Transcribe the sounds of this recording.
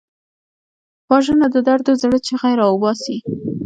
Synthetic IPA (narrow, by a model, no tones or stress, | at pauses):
pɑʒənad̪əd̪aɾd̪ozaɽət͡ʃeɣajɾɑwʊbɑsi